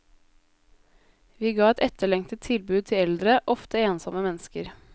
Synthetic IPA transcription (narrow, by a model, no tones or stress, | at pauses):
ʋiːɡɑːɛt̪ɛt̪əɭɛŋt̪ət̪ʰɪlbʉːd̪̚t̪ʰɪɛld̪ɾəʔɔft̪əeːnsɔməmɛnskəɾ